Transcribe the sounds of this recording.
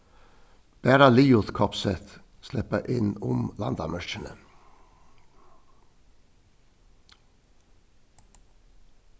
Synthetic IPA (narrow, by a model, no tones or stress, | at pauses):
b̥æːɾɑliːʊθkʰɔpsɛt̪ | slɛpəʔɪnʊmlɑnd̪ɑmœʃənə